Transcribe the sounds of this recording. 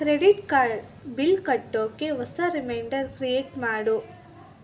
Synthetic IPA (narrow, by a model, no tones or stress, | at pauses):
kɾeɖiʈkaɖ | bilkɐʈːoːkːeʋɔsɐɾimɐjɳɖɐɾkɾieːʈmaːɽu